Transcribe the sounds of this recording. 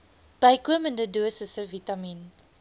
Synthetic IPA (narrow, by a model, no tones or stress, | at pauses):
b̥əjkuəməndəduəsəsəvitɐmin